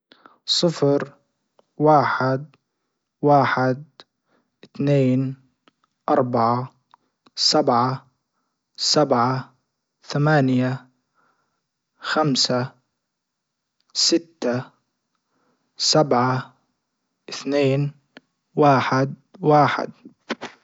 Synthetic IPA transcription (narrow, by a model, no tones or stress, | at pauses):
sˤɨfɾ | waːħɪd̪̚ | waːħɪd̪̚ | ʔɪθneːn | ʔɑɾˤbaʕa | sabʕa | sabʕa | θamaːnja | xamsa | sɪt̪ːa | sabʕa | ʔɪθneːn | waːħɪd̪ | waːħɪ̰d̪̚